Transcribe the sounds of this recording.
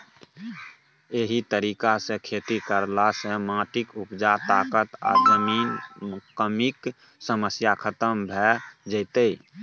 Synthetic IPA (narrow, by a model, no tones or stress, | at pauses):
eɦit̪əɾikasẽkʰet̪ikəɾlasẽmãːʈikupd͡ʒat̪akət̪a̰d͡ʒəmiːnkəmik | səməsjakʰət̪əmbʱɛd͡ʒəɪt̪əj